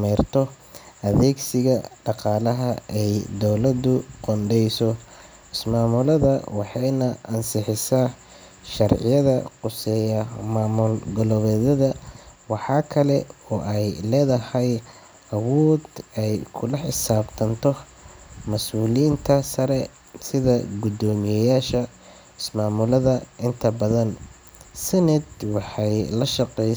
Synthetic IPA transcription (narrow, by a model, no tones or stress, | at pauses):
mɛrt̪ʰɔ | ʔɐðɛːɡsɪɣɐɖɑqɑːlɐɦɐɛjd̪ɔwlɐd̪ʊqɔnɖɛjsɔ | ɪsmaːmʊlɐðɐwɑħɑjnɐʔɐnsɪħɪsa | ʃɐrʕɪ̰jɐðɐ̰qʊsɛjɐmaːmʊlɡɔlɔβɛːðɐðɐwɑħɑːkʰɐlɛɔːʔɛjlɛːðɐhɛj | ʔɐwɔːd̪ɛjkʰʊlɐħɪsaːbt̪ʰɐnt̪ʰɔ | mɐsuːliːnt̪ʰɐsɐɾɛ | sɪðɐɡʊd̪ɔːmɪjɛjaːʃɐ | ɪsmaːmʊlɐðɐʔɪnt̪ʰɐbɐðɐn | sɐnɪd̪wɑħɑjlɐʃɑqɛj